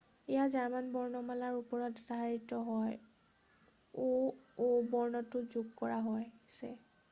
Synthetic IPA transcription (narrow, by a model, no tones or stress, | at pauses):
ɛjazaɹmanbɔɹnɔmalaɹupɔɹɔtdʱaɦaɹitɔɦɔj | oobɔɹnɔtʊzuɡkɔɹaɦɔjsɛ̰